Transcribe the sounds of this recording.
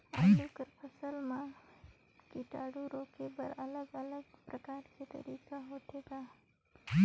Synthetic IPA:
aːluːkəɾpʰɐsəlmã | kiʈaːɽuɾoːkebɐɾɐləɡɐləɡpɾɐkaːɾket̪ɐ̰ɾiːkaɦoːʈʰeːɡaː

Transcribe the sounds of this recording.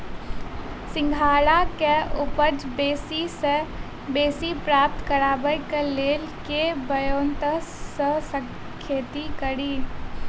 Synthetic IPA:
sɪ̃ŋɡʱaːlakeʔʊpəd͡ʒbeːsise | beːsipɾaːp̚t̪kəɾaːbəjkeleːl | kebəjoːnt̪əəsə̃ | kʰːeːt̪ikəɾiː

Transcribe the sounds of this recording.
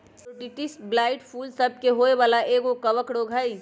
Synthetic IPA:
oɖiʈisʈ̚blaːɪʈpʰuːlsəb̚keɦoeʋaːlaʔeːɡokɐʋəkɽoɡʱəi

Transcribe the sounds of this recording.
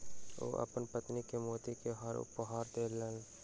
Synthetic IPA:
o̰ːʔɐ̰pənpət̪nikemoːt̪ikeɦəɾʊ̰pɦaːɾd̪eːləl

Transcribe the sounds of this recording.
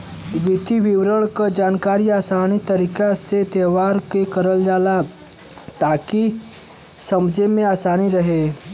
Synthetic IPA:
ʋit̪iʋiʋɾəɭkəd͡ʒaːnkaɾiaːsañit̪əɾiːkaset̪eʋaɾkekəɾəld͡ʒala | t̪aki | səmd͡ʒemẽaːsaniɾəɦe

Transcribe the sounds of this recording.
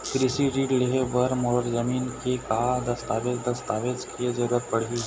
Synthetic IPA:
kɾisiɖiʈleɦebəɾmoɾzəmiːnkekad̪ɐst̪aʋet͡sd̪ɐst̪aʋet͡skʰed͡ʒəɾəpəɽ̤i

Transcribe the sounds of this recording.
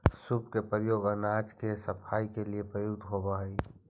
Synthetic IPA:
supkepəɾjoːɡənad͡ʒkesəpʰaːikeliepɾəjuɡd̪ɦobaɦəi

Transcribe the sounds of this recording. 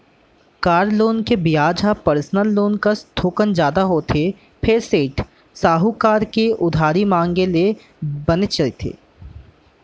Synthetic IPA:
kaːɾloːnkebɪjaːd͡ʒʱapəɾsnəlːoːnkast̪ʰoːkənd͡ʒjaːd̪aɦoːt̪ʰe | pʰeɾseːʈ | saːɦukaːɾkeʔʊd̪ʱaːɾimãːŋɡele | bɐnət͡ʃɐit̪ʰḛː

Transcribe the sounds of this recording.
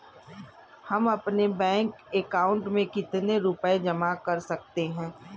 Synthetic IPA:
hɐmɐpnebɛ̃ːŋkekaːʊ̃ɳʈmẽkɪt̪neɾʊped͡ʒɐmakɐɾsɐk̚t̪eɦɛ̃ː

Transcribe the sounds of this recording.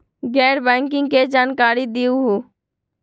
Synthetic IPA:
ɡɛːɾbɛ̃ːŋkɪ̃ŋɡked͡ʒaːnkaːɾid̪iuɦuː

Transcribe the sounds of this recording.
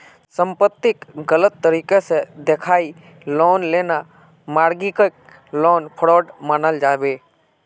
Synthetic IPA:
sə̃mpət̪ːɪkɡələt̪ːəɾiːkesed̪ekʰaːi | lɔːnleːna | maːɾɡikək̚ | lɔːnpʰəɽoːɖmaːnəld͡ʒaːbeː

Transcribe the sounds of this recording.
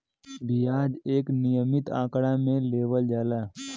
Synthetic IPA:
bijaːd͡ʒeːknɪjəmɪt̪ã̰ːkɽamẽleːʋəld͡ʒaːlaː

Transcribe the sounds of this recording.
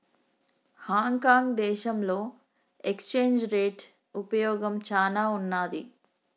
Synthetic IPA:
haːŋkaːŋɡd̪ɛːʃɐmlo̞ː | ekst͡ʃeːɲd͡ʒɾeːʈ | upɐjɔːɡɐmt͡ʃaːlaːunːaːd̪i

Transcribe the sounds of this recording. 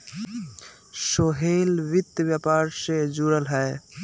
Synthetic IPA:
soɦelʋit̪ːbjapaɾsed͡ʒuɾəlɦəe

